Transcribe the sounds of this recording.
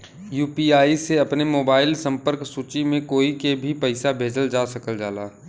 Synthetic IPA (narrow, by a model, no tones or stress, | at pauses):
juːpiaːiseɐpnemoːbaːɪlsɐ̃mpəɾksuːt͡ʃimẽkoːikebʱipɐɪsabʱeːd͡ʒəld͡ʒaːsɐkəld͡ʒaːlaː